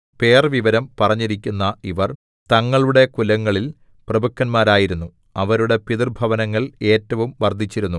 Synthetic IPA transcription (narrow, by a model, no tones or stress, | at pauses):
pe̞ːrʋiʋɐɾɐmpɐrɐɲːiɾikʲːunːɐiʋɐr | t̪ɐŋːɐɭuɽe̞kulɐŋːɐɭil | prɐbʱɐkːɐnmaːɾaːjiɾunːu | ɐʋɐɾuɽe̞piðirbʱɐʋɐnɐŋːɐɭe̞ːtːɐʋumʋɐrd̪ʱit͡ɕːiɾunːu